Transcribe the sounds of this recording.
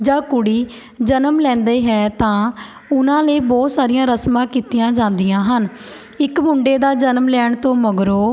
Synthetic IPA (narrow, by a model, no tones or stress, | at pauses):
d͡ʒaːkʊɽiː | d͡ʒənəmlɛ̃ːnd̪eːɦɛːt̪ãː | ʊnãːləiːbɔːt̪saːɾɪjãːɾəsmãːkiːt̪ɪjãːd͡ʒãːnd̪ɪjãːɦən | ɪkmʊɳɖeːd̪aːd͡ʒənmlɛːɳt̪õːməɡɾoː